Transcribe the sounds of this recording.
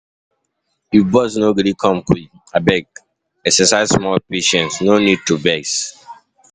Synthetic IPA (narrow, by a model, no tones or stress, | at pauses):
ibɔsnoɡɔɾikʰɔ̃mkʰwi | abɛɡ | ɛksɛsaɪzsmɔlpeʃɛ̃ntsnonid̚tubɛs